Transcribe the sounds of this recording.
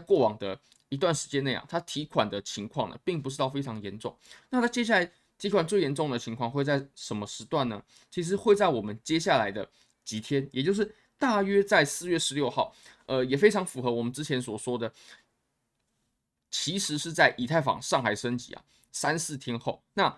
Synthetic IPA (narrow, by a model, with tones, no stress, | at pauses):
kwɔ˥˩wɑ˨˩ŋd̪ə˩ | i˧˥t̪wa˥˩nʂɻ̩˧˥t͡ɕjɛ˥nːe˥˩ɪa̰˨˩t̪ʰa˥t̪ʰi˧˥kʰwa̰˨˩nd̪ə˩t͡ɕʰi˧˥ŋkʰwɑ˥˩ŋnə̰˩pi˥˩ŋp̬u˧ʈ͡ʂɻ̩˥˧ɑ˥˩ʊfe˥ɪɑ˧˥ŋjɛ˧˥nʈ͡ʂʊ˥˩ŋna˥˩t̪ʰa˥t͡ɕjɛ˥ɕja˥˩a˧˥ɪ | t̪ʰi˧˥kʰwa˨˩nt͡swe˥˩jɛ˧˥nʈ͡ʂʊ˥˩ŋd̪ə˩t͡ɕʰi˧˥ŋkʰwɑ˥˧ŋxwe˥˧ɪt͡sa˥˩ɪʂə˧˥nmə˧ʂɻ̩˧˥t̪wa˥˩nə˩ | t͡ɕʰi˧˥ʂ̬ɻ̩˧˥xwe˥˧ɪt͡sa˥˩ɪwɔ˨˩mə˦nt͡ɕjɛ˥ɕja˥˩la˧˥ɪd̪ə˧ | t͡ɕi˧˥t̪ʰjɛ˥njɛ˨˩t͡ɕjo˥˧ʊʂɻ̩˥˩ | t̪a˥˩ɥɛ˥t͡sa˥˧ɪsɹ̩˥˧jɥɛ˥˩ʂɻ̩˧˥ljo˥˧ʊxɑ˥˩ʊə˧jɛ˨˩fe˥ɪʈ͡ʂʰɑ˧˥ŋfu˨˩xɤ˧˥˦wɔ˨˩mə˦nʈ͡ʂɻ̩˥t͡ɕʰjɛ˧˥nswɔ˨˩swɔ˥d̪ə˨ | t͡ɕʰi˧˥ʂɻ̩˧˥ʂɻ̩˥˧t͡sa˥˩ɪʔi˨˩t̪ʰa˥˩ɪfɑ̰˨˩ŋʂɑ˥˩ŋxa˨˩ɪʂə˥nt͡ɕḭ˧˥ɐ̰˩ | sa˦nsɹ̩˥˩t̪ʰjɛ˥nxo˥˩ʊna˥˨